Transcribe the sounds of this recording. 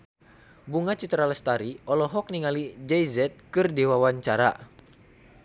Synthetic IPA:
buŋat͡ʃit̪ɾaləst̪aɾiɔlɔɦɔk̚niŋalid͡ʒɛjzɛt̪̚kɨrdewawaɲt͡ʃaɾa̰

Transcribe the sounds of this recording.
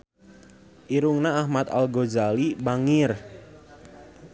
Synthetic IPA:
ʔiɾuŋnaːhmat̪a̰lɡozalibaŋɪr

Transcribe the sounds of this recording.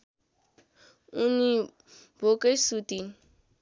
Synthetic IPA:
uni | bokʼesutʼin̩

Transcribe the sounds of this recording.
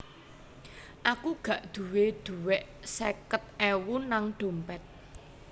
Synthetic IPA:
ʔakuɡ̥ä̤ʔd̪̥ṳwed̪̥ṳwɛʔ | sɛkət̪̚ɛwunaŋɖ̪̥o̤mpɛt̪̚

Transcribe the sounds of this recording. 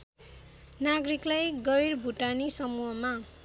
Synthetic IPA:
naɡɾiklajɡʌjrbʱuʈanisʌmuɦʌma

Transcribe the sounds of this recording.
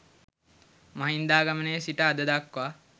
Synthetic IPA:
maɦind̪aːɡamənejsiʈəːd̪əd̪akːʋa

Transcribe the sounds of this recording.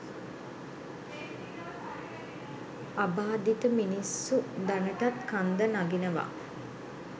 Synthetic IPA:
abaːd̪it̪əminisːud̪anəʈat̪kand̪ənaɡinəʋa̰

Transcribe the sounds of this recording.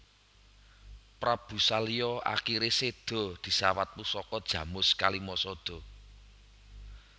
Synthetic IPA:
pɾab̥ṳsalijɔʔa̰kiɾesed̪̥ɔ̤d̪̥i̤sawat̪̚pusɔkɔd̥ʒ̥ä̤mʊskalimɔsɔd̪̥ɔ̤

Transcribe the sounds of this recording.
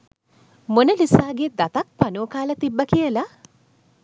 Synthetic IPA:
monəlisaːɡed̪at̪ak̚panuːkaːlət̪ibːəkijəla

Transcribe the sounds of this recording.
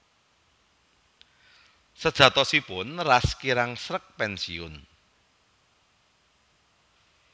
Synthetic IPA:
səd̥ʒ̥ä̤t̪ɔsipʊnraskiɾaŋsɾək̚pɛnsiʊn

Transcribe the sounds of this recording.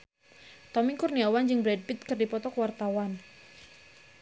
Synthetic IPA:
t̪ɔmikurniawand͡ʒɨŋbɾɛd̚bit̪̚kɨrdipɔt̪ɔkwart̪awan

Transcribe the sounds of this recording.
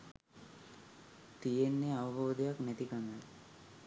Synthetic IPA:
t̪ijenːeaʋɐboːd̪ejaknæt̪ikanə

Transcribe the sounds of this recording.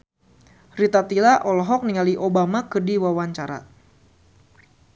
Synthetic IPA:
rit̪at̪ilaʔɔlɔɦɔk̚niŋaliʔobamakədiwawaɲt͡ʃaɾa̰

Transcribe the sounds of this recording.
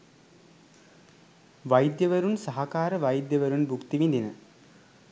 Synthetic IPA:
ʋɐjd̪jɐʋɐɾunsɐɦɐkaːɾɐʋɐjd̪jɐʋɐɾunbʱukt̪iʋind̪inɨ̰

